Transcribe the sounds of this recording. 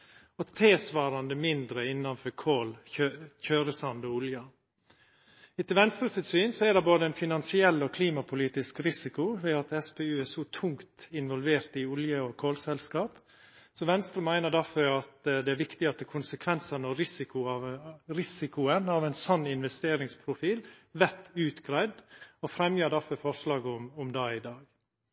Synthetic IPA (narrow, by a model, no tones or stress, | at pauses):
ɔt̪ʰeːsʋɑːɾɑnd̪əmɪnd̪ɾəɪnːɑnfɔɾkʰoːløçøːɾəsɑnd̪ɔʊljɑ | ɪt̪ɪlʋɛnst̪ɾəsɪt̪syːnsɔæɖɛboːd̪əɛɪnfɪnɑnsɪɛlːɔkʰliːmɑpʰʊliːt̪ɪskɾɪsɪkʊʋɛːɑt̪ɛspeːʉːæʂɔt̪ʰʊŋkt̪ɪnʋɔlʋeːɾt̪ɪʊljəɔkʰoːlsɛlskɑːp | sɔʋɛnst̪ɾəmæɪnəɖæfɔɾɑt̪d̪ɛæɾʋɪkt̪ɪɑt̪ɛkʰʊnsəkʰʋɛnsənɔɾɪsɪkʊɑɾɪsɪkʊənɑʋɛnsɔnːɪnʋɛst̪eːɾɪŋspʰɾʊfiːlʋɛt̪ʉːt̪ɡ̥ɾæɪd̪ɔfɾɛmjøːɖæɾfɔɾfɔɾʂlɑːɡʊmʊmd̪ɑːɪd̪ɑːɡ